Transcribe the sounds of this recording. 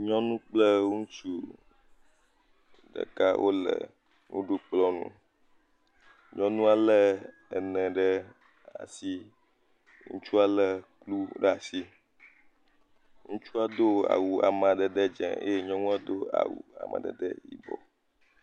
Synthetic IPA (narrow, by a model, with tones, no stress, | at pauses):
ɲɔ̃˦nũ˦k͡plə˦ŋũ˦t͡ʃu˦ | ɖə̰˨ka˦wʔo˦lə̰˨ | ŋṵ̃˦ɖo˦k͡plɔ˦nṵ̃˦ | ɲɔ̃˦nũ˦a˦lə˦ | ɛ˨nɛ̃˨ɖə˦ | a̰˨si˦ | ŋṵ̃˦t͡ʃu˦a˦lə˦klu˦ɖɛ˦a˨si˦ | ŋũ˦t͡ʃu˦a˦d̪o˦a̰˨wu˨a̰˨mã˨ɖə˨ɖə˦d͡ʒɛ̰̃˨ḛ˦je˦ɲɔ̃˦nũ˦a˦d̪o˦a̰˨wu˨a̰˨mã̰˨ɖə̰˨də̰˦jḭ˦bɔ̰˨